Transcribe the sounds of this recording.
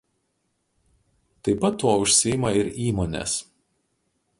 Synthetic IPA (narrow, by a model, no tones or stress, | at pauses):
t̪ɐɪpɐt̪ːoːʊʃʲsʲɪjɪmɐɪɾiːmoːnʲḛːs